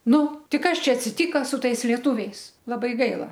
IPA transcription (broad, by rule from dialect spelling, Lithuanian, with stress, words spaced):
ˈnʊ ˈtʲɪ ˈkɐs ˈt͡ʃʲɛ ɐtʲsʲɪˈtʲiːkɐ sʊ ˈtɐɪs lʲiɛˈtʊʋʲɛɪs lˠɐˈbɐɪ ˈɡɐɪlˠɐ